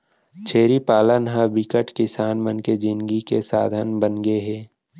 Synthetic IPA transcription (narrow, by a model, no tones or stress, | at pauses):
t͡ʃʰeːɾipaːlənɦəbɪkəʈkɪsaːnmənked͡ʒɪnɡikesa̰ːd̪ʱənbənɡeɦɛː